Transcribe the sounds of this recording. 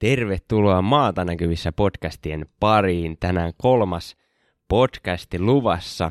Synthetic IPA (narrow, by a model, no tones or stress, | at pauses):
t̪e̞rʋe̞t̪ːuloɑmɑːt̪ɑnækyʋisːæpo̞dkæst̪ienpɑriːnt̪ænæŋko̞lmɑs | po̞dkæst̪iluʋɑsːɑ